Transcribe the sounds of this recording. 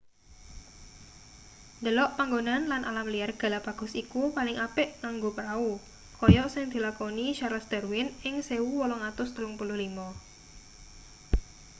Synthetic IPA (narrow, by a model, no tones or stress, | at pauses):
nd̪əlɔʔpaŋɡonanlanʔa̰lamliarɡ̥a̤lapaɡ̥ɔ̤sikupalɪŋʔapɪʔŋaŋɡopəɾau | kɔjɔsɪŋd̪̥i̤lakoniʃaɾasd̪̥ə̤rwɪnɪŋseuwɔlɔŋat̪ʊst̪əlʊŋpulʊhlimɔ